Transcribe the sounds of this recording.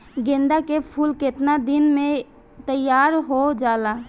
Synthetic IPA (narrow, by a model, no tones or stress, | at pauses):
ɡẽːnd̪akepʰulket̪nad̪inmẽ | t̪əjaːɾɦod͡ʒaːla